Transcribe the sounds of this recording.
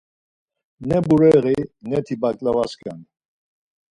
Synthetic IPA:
nɛbuɾɛʁinɛt̪ʰibakʼlavaskʰʼan

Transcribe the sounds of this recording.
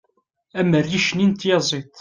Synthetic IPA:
æmərːiʃnint̪jɑzˤit̪ˤ

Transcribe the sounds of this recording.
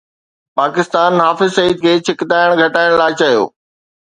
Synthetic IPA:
paːkɪst̪aːnɦaːfɪzsɐiːd̪̚kʰeːt͡ɕʰɪkd̪aːɪɽ̃ɡʱɐʈaːɪɽ̃laːɪt͡ɕɐjo̰ː

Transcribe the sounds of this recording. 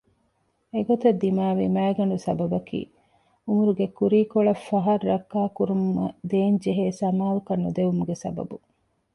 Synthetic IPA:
eɡot̪ɐd̪ːimaːʋimæːɡɐɳɖusɐbɐbɐkḭː | umuɾuɡekuɾiːkoɭɐfːɐɦɐɾːɐkːaːkuɾumːɐ̰d̪eːɲd͡ʒeɦeːsɐmaːlukɐnːud̪eʋumuɡesɐ̰bɐ̰bu

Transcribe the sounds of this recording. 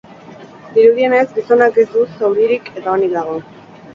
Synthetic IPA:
d̪iɾuðie̞ne̞zɡiso̞nake̞zd̪usawɾiɾike̞t̪aonikðaɣ̞o̞

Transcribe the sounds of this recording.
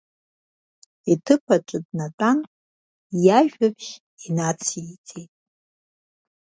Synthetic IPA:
itʰɨpʰaʈ͡ʂʷʼɨdnatʼan | jaʒᶣabʒʲ | inat͡sʰiit͡sʼejtʼ

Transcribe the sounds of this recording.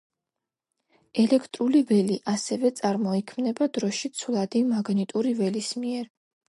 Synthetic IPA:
ɛlɛkʰt̪ʼɾulivɛliʔasɛvɛt̪sʼaɾmɔikʰmnɛbad̪ɾɔʃit̪sʰulˠad̪imaɡnit̪ʼuɾivɛlismiɛɾ

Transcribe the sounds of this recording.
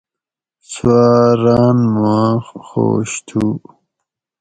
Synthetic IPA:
swaɾaːnmuãxo̰ːɕt̪ʰu

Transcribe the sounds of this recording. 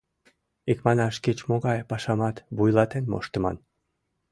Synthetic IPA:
ikmɑnɑʃket͡ɕmoɣɑjpɑʃɑmɑt̪βujlɑt̪enmo̰ʃt̪ə̆mɑ̰n

